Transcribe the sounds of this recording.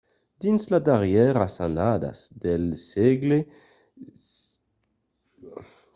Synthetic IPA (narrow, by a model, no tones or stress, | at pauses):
d̪̥insladaʁjɛʁasanad̪a̰sd̪elseɡle